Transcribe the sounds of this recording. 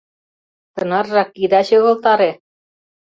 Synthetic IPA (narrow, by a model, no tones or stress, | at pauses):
t̪ɤ̆nɑrːɑkːid̪ɑɕɤ̆ɣɤ̆lt̪ɑɾe